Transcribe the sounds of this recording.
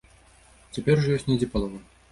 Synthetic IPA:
t͡sʲapʲɛrʐjɔsʲtʲnʲɛd͡zʲipalˠɔvɐ

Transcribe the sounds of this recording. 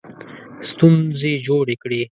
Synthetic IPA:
st̪unzed͡ʒoɽekɽi

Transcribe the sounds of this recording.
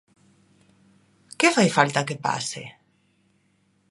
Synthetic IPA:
kefajfalt̪akepa̰sḛ

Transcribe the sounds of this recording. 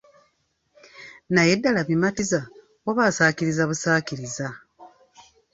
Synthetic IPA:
najedːalaβimatiza | waβaːsaːciɾizaβusaːkiɾiza

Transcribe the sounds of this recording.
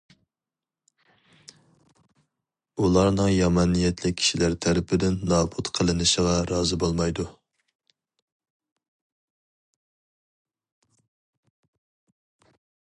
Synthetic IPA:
ulˠɑɾnɨŋjɑmɑnijɛt̪ʰlɪk̚ʲʰi̥ʃilæɾt̪ʰæɾɪpʰɪd̪ɪnːɑːbut̪qʰəlˠɨnɨʃəʁɑɾɑːzɨbolˠmɑjd̪u

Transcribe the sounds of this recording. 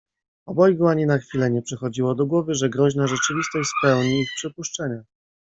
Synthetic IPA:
ɔbɔjɡuaɲinaxfʲilɛɲɛpʂɛxɔd͡ʑiwɔd̪ɔɡwɔvɘʐɛɡɾɔʑnaʐɛt͡ʂɘvʲist̪ɔɕspɛwɲiːxpʂɘpuʂt͡ʂɛɲa

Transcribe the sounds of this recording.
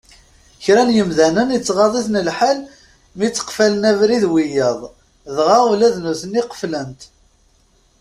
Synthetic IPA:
çɾænjəmðænənət͡sːʁɑðˤiθnəlħal | mit͡sːə̥qfælənævɾiðwijəðˤ | ðʁaulæðnuθəniqə̥flənt̪

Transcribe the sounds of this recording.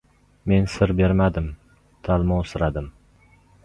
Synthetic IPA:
me̞nsɪɾbeɾmad̪ɪm | t̪ʰalˠmɒsɪɾad̪ɪm

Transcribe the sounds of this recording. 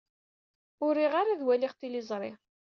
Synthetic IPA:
ʊɾiʁaɾaðwæliʁt̪ilizˤɾˤɪ

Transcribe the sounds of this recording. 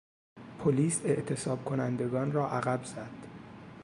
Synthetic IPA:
pʰoliːse̞ʔt̪ʰe̞sɒːb̥̚kʰo̞nænd̪e̞ɡɒːnrɒːʔæɣæbz̥æd̪̥

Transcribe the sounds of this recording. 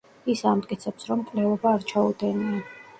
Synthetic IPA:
isamt̪ʼkʼit̪sʰɛpsɾɔmkʼlɛvɔbaːɾt͡ʃʰaud̪ɛnia

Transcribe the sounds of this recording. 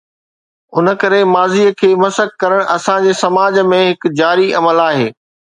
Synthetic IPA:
ʊnə̆kɐɾemaːziːəkʰeːmɐsəkkɐɾəɽ̃ɐsãd͡ʑeːsɐmaːd͡ʑmẽɦɪkd͡ʑaːɾiɐməlaːɦeː

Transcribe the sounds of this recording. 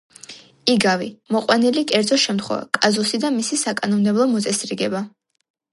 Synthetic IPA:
iɡavimɔqʼwanilikʼɛɾd̪zɔʃɛmt̪χwɛ̰va̰kʼazusid̪amisisakʼanɔmd̪ɛblˠɔmɔt̪sʼɛsɾiɡɛba

